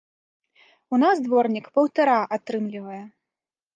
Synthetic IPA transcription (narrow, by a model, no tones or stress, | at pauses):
unazd̪vɔrnʲikpɐwt̪aɾaʔat̪ɾɨmlʲivɐjɛ